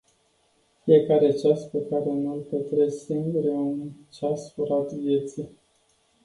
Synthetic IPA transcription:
fie̞kaɾe̞t͡ʃaspe̞kaɾe̞nulpət̪ɾesiŋɡuɾeunt͡ʃasfoɾat̪vje̞t̪si

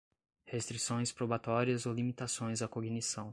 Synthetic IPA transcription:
hest̪ɾisõj̃spɾobat̪ɔɾiɐzolimit̪asõj̃zɐkoɡnisɐ̃w̃

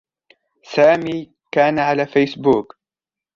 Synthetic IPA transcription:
saːmiː | kaːnaʕalaːfajsbuːk

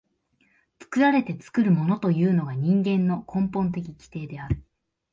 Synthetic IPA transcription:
t͡sɨ̥kɯ̟ɾaɾe̞t̪e̞t͡sɨ̥kɯ̟ɾɯ̟mo̞no̞t̪o̞jɯ̟ːno̞ɡaɲ̟ĩŋɡẽ̞nːo̞kʰõ̞mpõ̞nt̪̬e̞k̬ʲikʲi̥t̪e̞ːd̪e̞aɾɯ̟

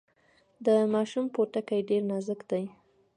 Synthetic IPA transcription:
d̪əmɑʃumpoʈakajɖeɾnɑzəkd̪aj

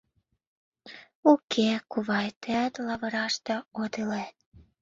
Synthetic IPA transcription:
ukʰekuβɑjt̪eæt̪lɑβɤ̆ɾɑʃt̪ĕod̪elet̪

